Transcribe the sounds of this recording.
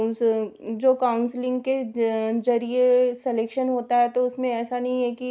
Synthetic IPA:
d͡ʒoːkaːʊnslɪ̃ŋɡkezɐɾiesɛleːkʃənɦoːt̪aɦɛt̪oʊsmẽɛːsanɐɦĩɦɛki

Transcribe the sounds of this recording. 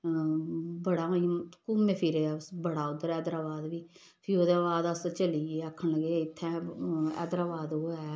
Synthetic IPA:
bəɽãːiːkʊmẽːpʰiɾsbəɽaːʊd̪ːəɾɛːd̪əɾaːbaːd̪ʋiː | pʰioːd̪aʋaːd̪əst͡ʃəliːeːəkʰːəɳləɡeːɪt̪ʰːɛ̃ːɛ̰ːd̪əɾaːbaːd̪ɦoːaː

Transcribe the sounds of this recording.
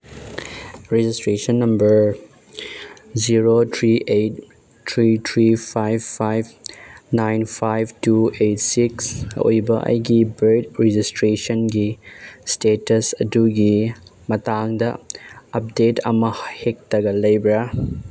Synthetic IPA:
ɾed͡ʒistɾesɐnːɐmbɐɾ | ziɾot̪ʰɾiʔejt | tʰɾit̪ʰɾipʰajbpʰajbnajnpʰajbtuejtsikso̰jbɐʔɐ̰jɡibedɾed͡ʒistɾesənɡistetɐsɐduɡimɐtaŋdɐɐp̚detɐ̰mɐhhek̚tɐɡɐlɐjbɾa

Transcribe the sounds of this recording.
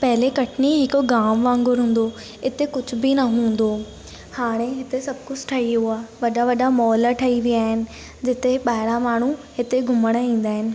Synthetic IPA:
pɐɦɪlekɐʈʰɪniɦɪkoɡaːmʋãːŋɡʊɾɦũːn̆d̪o | ɪt̪ekʊd͡ʑʱʊbɪnɐɦũːn̆d̪oː | haːɽ̃eɦɪt̪esɐbkʊd͡ʑʱʈʰɐiɦuaːʋɐɗaʋɐɗamɔːlʈʰɐiʋijaːɦɪnɪ̆ | d͡ʑɪt̪eɓaːɦɪɽamaːɳ̤uɦɪt̪eɡʱʊməɽ̃ĩːn̆d̪aːɦɪnɪ̆

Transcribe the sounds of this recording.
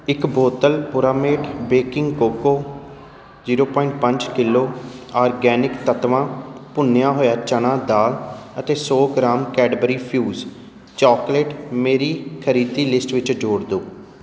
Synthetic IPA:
ɪkboːt̪əlpʊɾaːmeːʈbeːkɪ̃ŋɡkoːkoː | ziːɾoːpɔːɪɳʈ̚pə̃ɲd͡ʒkɪlːoːaːɾɡɛːnɪkt̪ət̪ʋãːpʊnjãːɦoːjaːt͡ʃənãːd̪aːlət̪eːsɔːɡɾaːmkɛːɖəbəɾiːpʰjuːz | t͡ʃɔːkleːʈmeːɾiːkʰəɾiːd̪iːlɪsʈʋɪt͡ʃd͡ʒoːɽd̪oː

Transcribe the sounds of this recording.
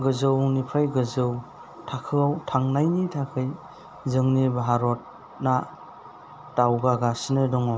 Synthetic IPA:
ɡɯzɯwnipʰajɡɯzɯw | tʰakʰɯawtʰaŋnajnitʰakʰɯj | zɯŋnibaɦaɾɔt̚ | na | tawɡaɡasinɯdɔŋɔ

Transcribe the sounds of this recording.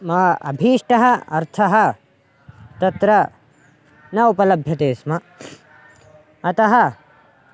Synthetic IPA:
mɐʔɐ̰bʱiːʂʈɐɦɐɐɾt̪ʰɐɦɐ | t̪ɐt̪ɾɐ | nɐupɐlɐbʱjɐt̪eːsmɐ | ɐt̪ɐɦɐ

